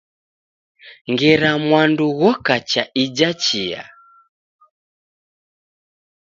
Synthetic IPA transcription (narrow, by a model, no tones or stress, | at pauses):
ŋɡɛɾamwanduɣɔkat͡ʃaid͡ʒat͡ʃia̰